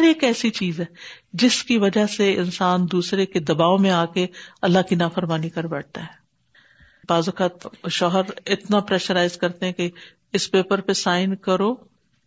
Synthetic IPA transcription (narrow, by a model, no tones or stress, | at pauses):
ɾeːkɛːsit͡ʃiːzɦɛːd͡ʒɪskiʋɐd͡ʒaseɪ̰nsaːnd̪uːsɾeked̪ɐbaːomẽaːkeɐlːakinaːfəɾmaːnikɐɾbɛːʈ̚t̪aɦɛː | baːzʊkaːt̪ʃɔːɦəɾɪt̪napɾɛːʃəɾaːɪzkɐɾt̪eɦɛ̃ke | ɪspeːpəɾpesaːɪnkɐɾoː